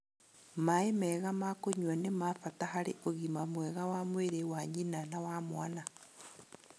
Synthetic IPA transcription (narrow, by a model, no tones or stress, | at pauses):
maemɛɣamakoɲwanemafatahaɾeʔoɣimamwɛɣawamweɾewaɲinanawamwana